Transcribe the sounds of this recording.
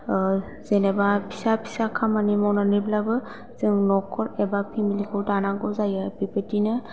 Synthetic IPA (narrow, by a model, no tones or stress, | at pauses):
zenebapʰi̥sapʰi̥sakʰamanimɔwnanɯblabɯ | zɯŋnɔkʰɔɾɛbapʰimilikʰɯwtanaɡɔzajɯpipetinɯ